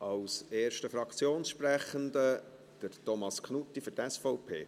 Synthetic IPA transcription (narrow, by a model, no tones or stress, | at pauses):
ʔɑwseːɾʃtəfɾɑkʰt͡sjoːnsʃpɾæχənd̪ə | d̪̥əɾtɔmɑskχnutːiføɾtɛsfɔwpʰḛː